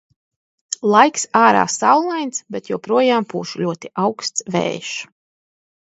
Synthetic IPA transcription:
lˠajksaːɾa̰ːsawlˠajnt̪sbʲet̪juːpɾuɔjaːmpuːʃulʲuɔt̪iʔawkst̪svɛ̰ːʃ

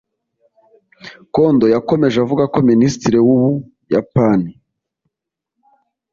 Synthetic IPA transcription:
ko̞ndo̞jako̞me̞ʒavuɡako̞ministiɾewuβu | japani

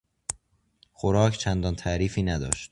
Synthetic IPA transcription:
xoɾɒːcʰt͡ʃʰænd̪ɒnt̪ʰæʔɾiːfiːnæd̪ɒ̰ːʃt̪

